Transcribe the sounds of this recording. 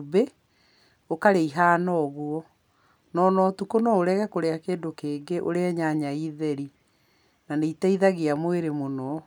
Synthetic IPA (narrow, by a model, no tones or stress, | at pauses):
be | okaɾeiɦaːnɔɣuɔ | nɔnɔtukonɔoɾɛɣɛkoɾeakeːndokeːŋɡeʔo̰ɾeaɲaɲaiðɛɾi | naneitaiðaɣeamweɾemonɔ